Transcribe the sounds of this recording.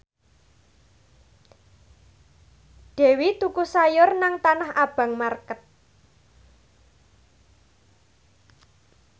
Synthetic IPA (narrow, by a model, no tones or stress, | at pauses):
d̪̥ɛ̤wit̪ukusajʊrnaŋt̪anahab̥ä̤ŋmarkət̪̚